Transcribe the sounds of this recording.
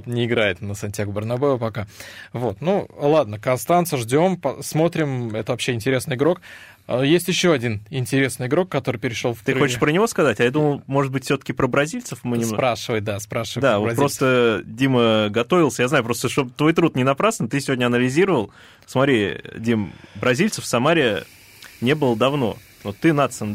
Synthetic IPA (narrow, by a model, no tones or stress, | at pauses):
t̪nʲɪɪɡɾajɪt̪nəsɐnʲtʲjaɡʊbʲɪrnɐbojɪvəpɐkavo̞t̪nulˠad̪nəkɐnst̪ant̪səʐdʲo̞mpɐsmo̞t̪ɾʲɪmɛt̪əvɐpɕːeɪnʲtʲɪɾʲe̞snɨjɪɡɾo̞k | jesʲtʲjɪɕːo̞ɐdʲinɪnʲtʲɪɾʲesnɨjɪɡɾo̞kːɐt̪o̞ɾɨɪjpʲɪɾʲɪʂolˠft̪ɨxot͡ɕɪ̥ʂpɾənʲɪvo̞skɐzatʲɐjad̪uməlˠmo̞ʐɨt̪̚bɨtʲfsʲot̪ə̥kʲɪpɾəbɾɐzʲilʲt̪səfmɨnʲɪmsopɾaʂɨvəjd̪aspɾaʂɨvəd̪avotʲpɾo̞st̪ədʲiməɡɐt̪o̞vʲɪlˠsʲəjaznajʊpɾost̪əʂt̪o̞bt̪vo̞jt̪ɾut̪nʲɪnɐpɾasnt̪ɨsʲɪvodʲnʲəɐnəlʲɪzʲiɾəvəlˠ | smɐt̪ɾʲidʲimbɾɐzʲilʲt̪səfsɐmaɾʲɪə | nʲe̞bɨlˠəd̪ɐvno̞̰ | vot̪ːɨnat̪sɨn